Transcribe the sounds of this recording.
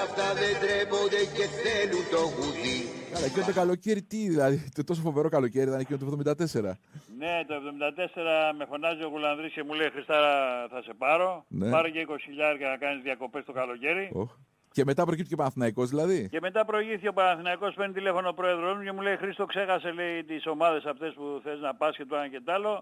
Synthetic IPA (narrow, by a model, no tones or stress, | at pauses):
ɐft̪aðend̪ɾevond̪eceθelunt̪oɣut̪ikɐlɐecinot̪okɐloceɾit̪iðilɐðit̪ot̪o̞sofove̞ɾokɐlo̞ce̞ɾit̪ɐnecinot̪ovðomid̪ɐt̪e̞se̞ɾɐ | ne̞t̪oe̞vðo̞mind̪ɐt̪e̞se̞ɾɐme̞fo̞nɐzio̞ɣulɐnðɾisce̞mule̞ixɾist̪ɐɾɐθɐse̞pɐɾo̞ne̞pɐɾoceiko̞si̥çiʎɐɾcɐnɐkɐnizðiɐko̞pe̞st̪o̞kɐlo̞ce̞ɾioç | ce̞me̞t̪ɐpɾocipt̪icepɐnɐnθinɐiko̞zðilɐðice̞me̞t̪ɐpɾo̞iʝipt̪icʲeopɐnɐnθinɐiko̞speɾnit̪ilefo̞nopɾo̞e̞ðɾo̞zmuce̞muleixɾist̪o̞kse̞xɐse̞leit̪iso̞mɐðe̞sɐft̪e̞spuθeznɐpɐsce̞t̪uɐɐce̞t̪ɐlo̞